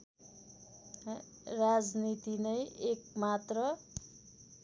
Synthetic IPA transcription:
rad͡znit̪inʌjʔek̚mat̪rʌ

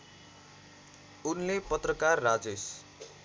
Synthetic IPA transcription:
unlepʌt̪rʌkarːad͡zes

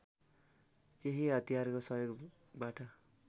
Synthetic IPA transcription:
t͡seɦiɦʌt̪iɦarkosʌjoɡ | baʈʌ

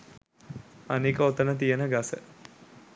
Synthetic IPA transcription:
anikəot̪ənət̪̬ijənəɡasə̰

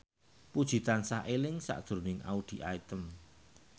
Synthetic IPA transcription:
pud̥ʒ̥i̤t̪ansaʔelɪŋsa̰ʔd̪̥ɾonɪŋʔa̰ud̪̥i̤ʔait̪əm

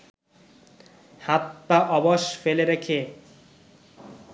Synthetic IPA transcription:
hat̪ːaʔɔboʃfeleɾekʰe

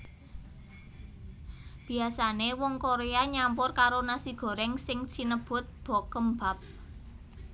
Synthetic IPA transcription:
b̥i̤asanewɔŋkoɾeaɲampʊrkaɾonasiɡ̥ɔ̤ɾɛŋsɪŋsinəb̥ʊ̤t̪̚b̥ɔ̤kəmba̤p̚

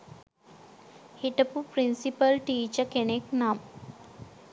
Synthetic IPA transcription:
hiʈəpupɾinsipəlʈit͡ɕakeneknam

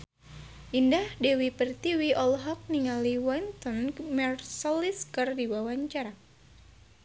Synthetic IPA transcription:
ʔindahdewipərt̪iwiʔɔlɦɔk̚niŋaliwɔnt̪ɔnmɛrsɔliskɨrdiwawaɲt͡ʃaɾa

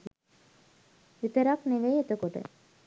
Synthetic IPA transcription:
it̪əɾɐkneʋejet̪əkoʈə̰

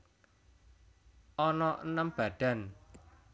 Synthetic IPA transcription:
ʔɔnɔʔənəmb̥ä̤ɖ̪̥a̤n

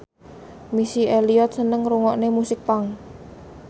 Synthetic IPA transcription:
misieliɔt̪̚sənəŋɾuŋɔʔnemusɪk̚paŋ

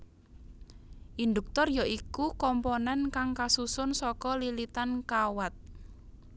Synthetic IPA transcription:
ʔind̪uk̚t̪ɔrjaʔikukɔmpɔnɛnkaŋkasusʊnsɔkɔlilit̪ankawat̪̚

